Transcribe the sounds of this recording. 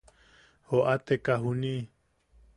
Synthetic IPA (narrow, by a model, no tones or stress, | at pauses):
hoʔat̪ekaɦuni